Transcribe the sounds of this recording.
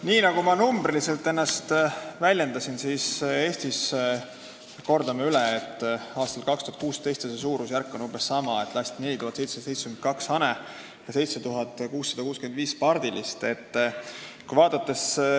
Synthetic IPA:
niːnɑɡ̥umɑnumbrilise̞lt̪ːˑe̞nːɑst̪vælʲje̞nd̪̥ɑsinsise̞ːst̪is | ko̞rd̪̥ɑmeylɛːt̪ːˑɑːst̪ɑlkɑkst̪uhɑt̪̚kuːst̪e̞jst̪seses̬uːɾusjærkˑːo̞nubessɑmɑet̪ːˑlɑst̪ne̞lʲit̪uhɑt̪sejt̪se̥se̞jt̪sːe̥kymend̪̚kɑksɑne | jɑse̞jt̪se̞t̪uɦɑd̪ˑkuːsːɑd̪ɑkuːskyend̪viːspɑrd̪̥ilist̪e̞t̪ːkujvɑːd̪̥ɑt̪ːe̞s

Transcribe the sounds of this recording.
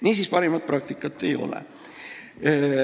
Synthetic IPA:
niːsiːspɑɾimɑt̪̚prɑk̚t̪ikːˑɑt̪ːˑe̞jo̞̰lɛ̰

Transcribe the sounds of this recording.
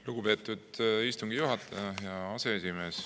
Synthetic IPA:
luɡ̥upe̞ːt̪ːˑud̪̥ist̪uŋɡijuɦɑt̪ːˑɑjɑjɑɑse̞esime̞ːs

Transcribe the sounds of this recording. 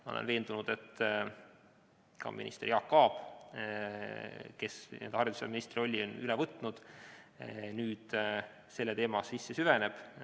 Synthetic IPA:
molḛnve̞ːnd̪̥unud̪̥e̞t̪ː | kɑ̰mʔḭnḭst̪erjɑkːɑːb̥ | ke̞snḛnd̪̥ɑɾrid̪u̥sḛɑ̰minist̪rio̞lʲːionylɛvɤt̪ːˑnud̪̥ | nyːd̪̥ | se̞lːet̪e̞ːmɑsisːesyvene̞b̥

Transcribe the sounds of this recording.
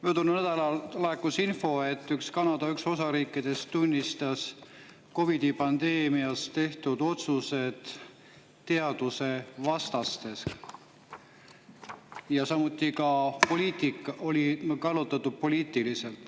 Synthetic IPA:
myøt̪unːunæd̪ɑlɑllekːˑusinfo̞e̞t̪ːykskɑnɑd̪ɑykso̞sɑɾiːkˑːid̪̥e̞stt̪unʲːist̪ɑs | ko̞vid̪̥ipɑnd̪e̞ːmiɑst̪e̞ht̪ud̪o̞t̪suse̞d̪̥ | t̪ːe̞ɑd̪̥use̞vɑst̪ɑst̪e̞s | jɑsɑmut̪ːˑikɑpo̞liːt̪ikːˑɑʔo̞lʲikɑlːot̪ːˑɑt̪ːˑud̪̥̚po̞liːt̪ˑilise̞lt̪ˑ

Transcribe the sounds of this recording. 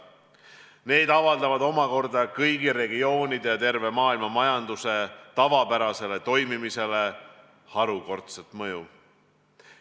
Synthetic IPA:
ne̞ːd̪̥ɑvɑld̪ɑvɑd̪o̞mɑko̞rd̪ɑkɤjɡiɾe̞ɡio̞ːnid̪̥ejɑt̪e̞rve̞mɑːilmɑmɑjɑnd̪use̞t̪ɑvɑpæɾɑse̞le̞t̪o̞jmimise̞le̞ | hɑɾuko̞rt̪set̪mɤju

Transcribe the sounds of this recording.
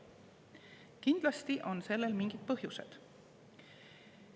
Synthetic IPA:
kind̪̥lɑst̪iʔo̞nse̞lːe̞lmiŋɡ̥id̪̚pɤɦjuse̞̰d̪̥

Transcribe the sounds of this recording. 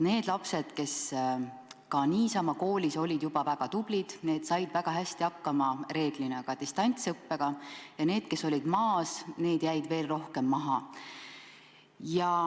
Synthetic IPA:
ne̞ːd̪̥lɑpse̞d̪̥ke̞s | kɑniːsɑmɑko̞ːlʲiso̞lʲid̪̥jubɑvæɡ̥ɑt̪ub̥lid̪̥ne̞ːd̪̥sɑjd̪væɡ̥ɑɦæsʲt̪iɑkːɑmɑre̞ːd̪̥linekɑd̪ist̪ɑnʲt̪sɤpːe̞ɡ̥ɑjɑne̞ːd̪̥̚ke̞so̞lʲid̪̥mɑːsne̞ːd̪̥jæjd̪ve̞ːlro̞hkemːɑɦɑ | jɑ

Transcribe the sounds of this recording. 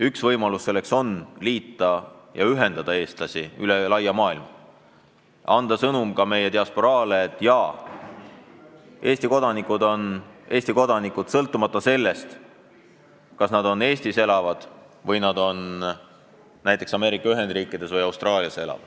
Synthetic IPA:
yksvɤjmɑlussːe̞lːe̞kso̞nliːt̪ˑːɑjɑ̰yɦe̞nd̪̥ɑd̪̥ɑe̞ːst̪lɑsiylelɑjːɑmɑːilmɑ | ʔɑnd̪̥ɑsɤnumkɑme̞jet̪eɑspo̞ɾɑːleːt̪ːˑjɑ | ʔe̞ːst̪iko̞d̪ɑnikːˑud̪o̞nʔe̞ːst̪iko̞d̪̥ɑnikud̪̥sɤlt̪ːˑumɑt̪ːˑɑse̞lːe̞st̪ | kɑsnɑd̪̥o̞ne̞ːst̪ise̞lɑvɑd̪̥ | vɤjnɑd̪o̞n | næjt̪ːˑe̞ksɑme̞ːɾikːˑɑyɦe̞nd̪riːkːˑid̪̥e̞svɤjɑwst̪rɑːliɑsee̞lɑ̰vɑd̪̥

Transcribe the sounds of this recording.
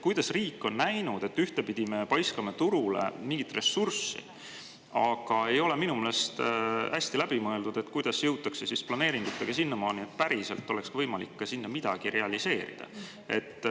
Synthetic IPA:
kujd̪̥ɑsriːkːˑo̞nːæjnud̪̥e̞t̪ːyht̪e̞pid̪̥ime̞pɑjskɑmɑt̪uɾule̞̰miŋɡ̥it̪ːˑre̞sːursːḭ | ɑɡ̥ɑe̞jo̞le̞minumeːlest̪hæsʲt̪ilæb̥imɤeld̪ud̪̥e̞t̪kujd̪̥ɑsjɤwt̪ːˑɑksesisplɑne̞ːɾiŋɡ̥ut̪ːˑeɡ̥ɑsinːɑmɑːnie̞t̪̚ːˑpæɾise̞lt̪ːˑo̞le̞kskvɤjmɑlikːɑsinːɑmid̪̥ɑɡ̥iɾe̞ɑlise̞ːɾḭd̪̥ɑ̰ | e̞t̪ː

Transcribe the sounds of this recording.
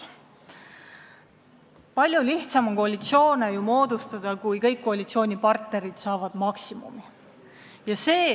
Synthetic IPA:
pɑlʲjuliht̪sɑmoko̞ɑlʲit̪sio̞ːnejumo̞ːd̪ust̪ɑd̪̥ɑkujkɤjkːoɑlʲit̪sio̞ːnʲipɑrt̪ne̞ɾid̪̥sɑːvɑd̪̥mɑksimṵmi | jɑse̞ː

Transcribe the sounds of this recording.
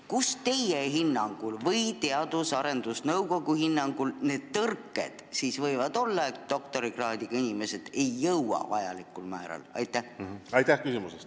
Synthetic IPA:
kust̪e̞jeɦinːɑŋɡ̥ulvɤ̞jt̪e̞ɑd̪usɑɾe̞nd̪̥usnɤwko̞ɡ̥uhinːɑŋɡ̥ulne̞ːd̪̥̚t̪ɤrkːˑe̞̰d̪̥siːsvɤ̞jvɑd̪̥o̞lːɑed̪̥o̞kt̪o̞ɾiɡ̥rɑːd̪̥iɡ̥ɑinime̞se̞d̪̥e̞jːɤwɑ̰vɑjɑ̰likːˑulmæːɾɑ̰lɑ̰jt̪ːˑæhɑjt̪æhkysimusest̪

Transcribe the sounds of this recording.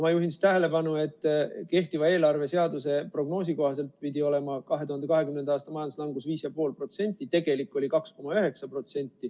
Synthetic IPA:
mɑjuɦinsi̥t̪æɦe̞le̞pɑnue̞t̪ːˑke̞ht̪ivɑe̞ːlɑrve̞se̞ɑd̪̥use̞pro̞ɡ̥no̞ːs̬iko̞hɑs̬e̞lt̪̚pid̪io̞le̞mɑkɑɦe̞t̪uhɑnd̪ekɑɦe̞kymnend̪̥ɑɑːst̪ɑmɑjɑnd̪uslɑŋɡ̥usviːsjɑpo̞ːlpro̞t̪se̞nʲt̪ʲːˑit̪e̞ɡ̥e̞likːˑo̞lʲikɑksko̞mɑyɦe̞ksɑpro̞t̪se̞nʲt̪ːˑi

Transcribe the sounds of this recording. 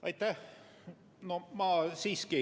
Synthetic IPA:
ɑ̰jt̪ːæ | nomɑːsiːski

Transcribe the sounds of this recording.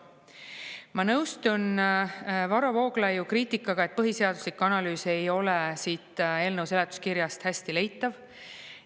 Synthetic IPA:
mɑnɤwst̪un | vɑɾɑvo̞ːɡ̥lɑjukriːt̪ːˑikːˑɑɡ̥ɑe̞t̪̚pɤɦise̞ɑd̪uslikːuɑnɑlyːse̞jo̞lesiːt̪ːˑe̞ːlnɤwselet̪ːˑu̥skiɾjɑst̪hæst̪ile̞jt̪ːˑɑv

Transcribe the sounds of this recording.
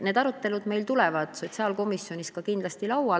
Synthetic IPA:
ned̪ɑɾut̪ːe̞lud̪̥me̞jlt̪ulɛvɑd̪̥so̞t̪ʲsɑːlko̞misjo̞niskɑkind̪lɑst̪ilɑwɑ

